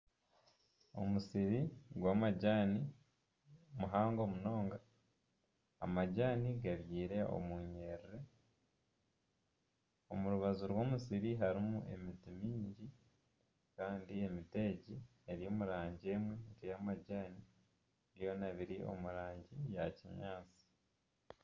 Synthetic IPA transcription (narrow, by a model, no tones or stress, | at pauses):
o̞̰musiɾiɡwaːmaɟaːni | muɦaːŋɡo̞muno̞ːŋɡa | a̰maɟaːniɡaβjiːɾe̞o̰muɲe̞ːɾiɾe̞ | o̞̰muɾuβazuɾwo̞ːmusiɾiɦaɾimuʔe̞̰mitimiːɲɟi | kaːndie̞mite̞ːɟi | eɾijo̞ːmuɾaːɲɟe̞ːmweɾijamaɟaːni | βjo̞naβiɾiʔo̞̰muɾaːɲɟijaciɲaːt͡si̥